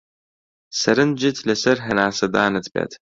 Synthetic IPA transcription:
sɐɾɨnd͡ʒɪtʰlɐsɐrɦɐnaːsɐdaːnɐtʰbɐ̰tʰ

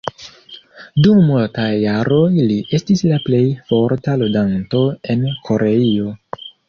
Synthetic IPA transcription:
dummultajːaɾo̞jliʔe̞stislaple̞jfo̞ɾtaludanto̞e̞nkʰo̞ɾeio̞

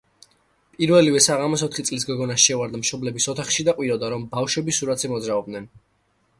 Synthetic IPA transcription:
pʼiɾvɛlivɛsaʁamɔsɔt̪ʰχit̪sʼlis̬ɡɔɡɔnasʃɛvaɾd̪amʃɔblɛbisɔt̪ʰaχʃid̪aqʼwiɾɔd̪aɾɔmbafʃwɛbisuɾat̪zɛmɔd̪zɾaɔb̚d̪nɛn

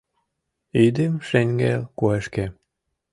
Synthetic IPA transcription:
id̪emʃeŋʲɡḛlkueʃke

